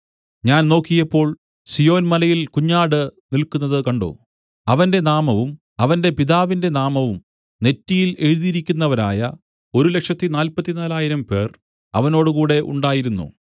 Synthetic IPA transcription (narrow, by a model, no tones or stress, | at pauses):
ɲaːnno̞ːkːijɐpːo̞ːɭ | sijo̞ːnmɐlɐjilkuɲːaːɽɨnilkunːɐðɨkɐɳɖo̰ː | ɐʋɐnde̞naːmɐʋum | ɐʋɐnde̞piðaːʋinde̞naːmɐʋum | ne̞tːijile̞ɻuðiɾikʲːunːɐʋɐɾa̰ːjɐ | o̞ɾule̞kʂɐt̪ːinaːlpɐt̪ːinaːlaːjiɾɐmpe̞̰ːr | ɐ̰ʋɐno̞ːɽukuːɽe̞ʔṵɳɖaːjiɾunːṵ